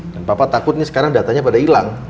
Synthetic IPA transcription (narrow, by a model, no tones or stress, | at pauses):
d̥anpapat̪akʊt̪̚nisə̥kaɾaŋdat̪aɲapadailaŋ